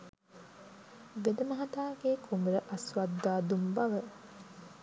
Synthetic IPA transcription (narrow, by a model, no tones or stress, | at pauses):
ʋed̪ɐmɐɦɐt̪aːɡeːkʰumuɾəʔɐsʋad̪ːaːd̪umbɐʋə